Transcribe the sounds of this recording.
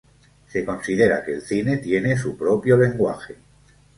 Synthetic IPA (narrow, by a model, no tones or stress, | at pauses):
se̞ko̞nsiðe̞ɾa̰keːlθine̞t̪je̞ne̞s̬upɾo̞pjole̞ŋɡwa̰xe